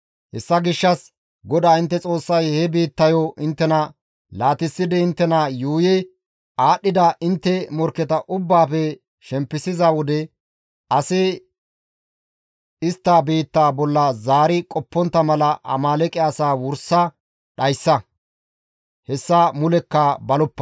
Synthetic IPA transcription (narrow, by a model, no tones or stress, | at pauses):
hɛsːɐɡɪʃːɐs | ɡɔd̪aːɪnt̪ːɛt͡sʼo̞ːsːɐjhɛbiːt̪ːɐjɔʔɪnt̪ːɛnɐ | laːt̪ɪsːɪd̪ɛɪnt̪ːɛnɐjuːjɛ | aːɗːɪd̪ɐʔɪnt̪ːɛmɔɾkɛt̪ɐʔʊbːaːpɛ | ʃɛmpːɪsɪzɐwɔd̪ɛ | ɐsɪ | ɪst̪ːaːbiːt̪ːaːbɔlːɐzaːɾɪkʼɔpːɔnt̪ːɐmɐlɐʔɐ̰maːlɛkʼɛɐsaːwʊɾsɐ | ɗɐjsːɐ | hɛsːɐmʊlɛkːɐbɐlɔpːɐ̥